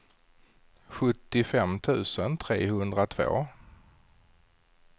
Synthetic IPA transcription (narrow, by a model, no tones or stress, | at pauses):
ɧɵt̪ːɪfɛmːt̪ʰʉ̟ːsənt̪ʰɾeːhɵnd̪ɾat̪ʰvo̰ː